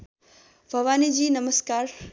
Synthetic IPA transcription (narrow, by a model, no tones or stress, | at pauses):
bʱɐʋaːnid͡ʒiːnɐməskaːɾ